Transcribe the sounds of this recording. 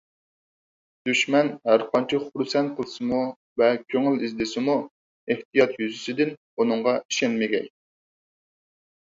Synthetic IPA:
d̪̥yʃmɛnhæɾqʰɑnt͡ʃʰɛχuɾsɛnt̪̚qʰəlˠɨsɨmu | vɛkʲʰøŋɪlizd̪ɪsɪmu | eht̪ijɑt̪jyzɪsɪd̪ɪn | unɨŋʁɑi̥ʃɛnmɪɡʲɛ̰jʲ

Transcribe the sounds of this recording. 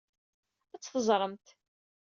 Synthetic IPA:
æt͡sːθəzˤɾˤəmt̪

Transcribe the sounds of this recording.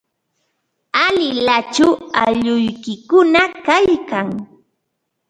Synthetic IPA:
alɪlat͡ʃʊwaʎʊjkɪkʊnakajkaŋ

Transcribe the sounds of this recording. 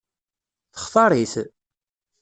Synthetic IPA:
θə̥χθˤɑɾˤiθ

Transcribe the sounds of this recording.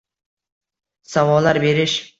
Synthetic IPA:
sawɒlˠːaɾbe̞ɾɪʃ

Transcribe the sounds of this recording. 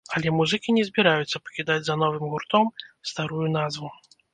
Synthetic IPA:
ɐlʲɛmuzɨkʲinʲɛzʲbʲiɾajut̪sːɐpɐ̥kʲid̪ad͡zʲzɐnɔvɨmɣurt̪ɔmst̪aɾujun̪azvu

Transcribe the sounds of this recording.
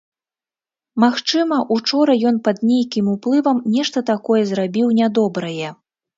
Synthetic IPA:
maxt͡ʂɨmɐʔut͡ʂɔɾɐjɔn̪pɐd̪nʲejkʲimuplˠɨvɐmnʲɛʂt̪ɐt̪akɔjɛzɾabʲiwnʲad̪ɔbɾɐjɛ

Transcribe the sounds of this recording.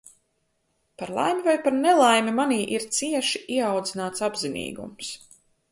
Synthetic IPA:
paɾlˠa̰jmʲivajpaɾnɛlˠajmimaniːʔiɾt̪siɛʃiiɛawd̪zinaːt̪sabzinḭːɡṵms

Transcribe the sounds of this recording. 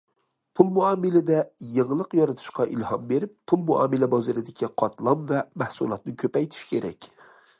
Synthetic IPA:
pʰulˠmuɑːmɪlɪd̪ɛjəŋlˠəqjɒɾɨt̪ʰu̥ʃqɑʔḭlhɑmbeɾɪpʰːulˠmuʔɑ̰ːmɪlɛbɑzɨɾɪd̪ɪkʲʰiqʰɑt̪lˠɑmvɛmæhsulˠɑt̪̚nɪkʲʰøpɛjt̪ʰɪ̥ʃkʲʰeɾɛ̰kʲ

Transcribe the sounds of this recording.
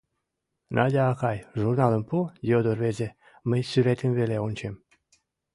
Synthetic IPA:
nʔɑdʲɑːkɑjʒurnɑləmpujod̪orβeze | məjsyɾet̪əmβeleonʲt͡ɕem

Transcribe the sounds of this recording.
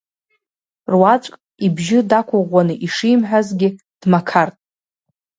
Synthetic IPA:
rwat͡ʃʷʼkʼ | ibʒɪdakʷʰʊʁʷːanɨʔiʂijmħʷᶣazɡʲɪ | d̥makʰartʼ

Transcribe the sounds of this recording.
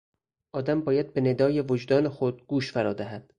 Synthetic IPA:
ʔɒːd̪æmbɒːjæd̪̚bene̞d̪ɒːjevod͡ʒd̪ɒːnexod̪̚ɡ̥uːʃfæɾɒːd̪æɦæd̪̥

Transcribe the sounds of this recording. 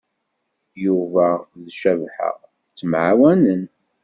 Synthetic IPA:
juvæðʃævħə̰ʁ | t͡sːmʕawænən

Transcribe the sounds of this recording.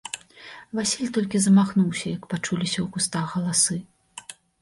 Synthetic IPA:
vasʲilʲt̪ɔlʲkʲizɐmaxnuwsʲɐjɐkpat͡ʂulʲisʲɐwɣust̪axɣɐlˠasɨ

